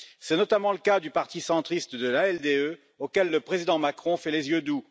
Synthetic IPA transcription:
sɛnɔt̪amɑ̃ləkad̪ypaʁt̪isɑ̃t̪χist̪d̪əlaɛld̪eø | okʲɛlːəpχezid̪ɑ̃makχɔ̃fɛlezjød̪u

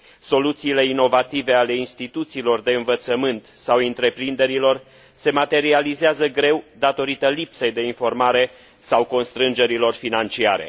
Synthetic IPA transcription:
so̞lut̪siːle̞ino̞vat̪ive̞ale̞inst̪it̪ut̪siːlo̞rd̪e̞ɨnvət̪səmɨnt̪sawɨnt̪ɾe̞pɾind̪e̞ɾilo̞r | se̞mat̪e̞ɾializeazəɡɾe̞wd̪at̪o̞ɾit̪əlipsejd̪e̞info̞rmaɾe̞ | sawko̞nst̪ɾɨnd͡ʒe̞ɾilo̞rfinant͡ʃiaɾe̞̰

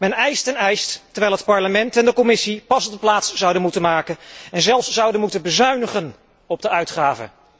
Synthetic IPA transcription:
mɛnɛjstɛnɛjsttːɛɹʋɛjlˠɦətpɑɹləmɛntɛndəkɔmɪsipɑsɔbdəplaːtsz̥ɑwdənmutənmaːkənɛnzɛlˠfszɑwdənmutənbəzœɥnəχən | ɔb̚dəœɥtχaːvə̰

